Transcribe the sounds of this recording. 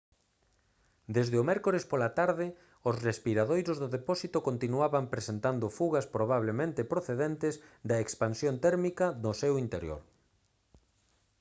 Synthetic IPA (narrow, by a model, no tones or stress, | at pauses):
d̪ezðeomɛɾkoɾespolat̪aɾðɪ | ʊsrespiɾaðojɾozðʊðepɔsit̪okõnt̪inuaβɐmpɾesent̪and̪ʊfuɣɐspɾoβ̞aβlemẽnt̪ɪpɾoθeðent̪ɪzd̪ɐekspansjont̪ɛɾmikɐnʊsewint̪eɾjo̰ɾ